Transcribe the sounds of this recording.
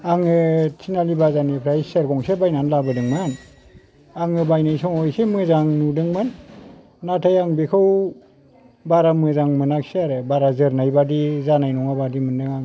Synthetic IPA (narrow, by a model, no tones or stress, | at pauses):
aŋɯtʰinalibazanipʰɾajsaɾɡɔŋsebajnanlabɯdɯŋman | aŋɯbajnajsɔŋɔjsemɯzaŋnudɯŋmɯnː | atʰajaŋbikʰɯw | baɾamezaŋmɯnakseaɾɯbaɾazɯɾnajbadizanajnɔŋabadimɯndɯŋaŋ